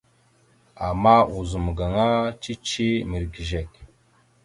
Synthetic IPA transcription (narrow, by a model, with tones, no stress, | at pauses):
a˨ma˦u˨zu˨m˨ɡa˨ŋa˦t͡ʃi˦t͡ʃi˦mi˨ɾɡi˨ʒe˨k